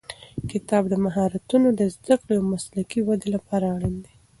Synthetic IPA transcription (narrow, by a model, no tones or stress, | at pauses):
kɪt̪ɑbd̪əmaɦɑɾat̪unod̪əzd̪aklojawmaslakiwad̪elapɑɾaɽind̪e